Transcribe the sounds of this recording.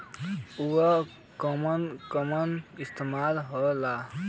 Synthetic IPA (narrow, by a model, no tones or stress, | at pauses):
uɔ | kɔmʌnkɔmʌnist̪ʰemalɦɔla